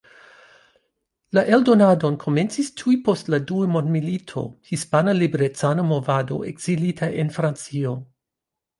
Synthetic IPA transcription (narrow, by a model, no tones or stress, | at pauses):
laʔe̞ldo̞nadonkʰo̞me̞nt͡sistʰuipo̞stladuumondmilitʰo̞̰hispanalibɾet͡sanamovado̞̰ʔeɡz̥ilitʰaʔenfɾant͡sio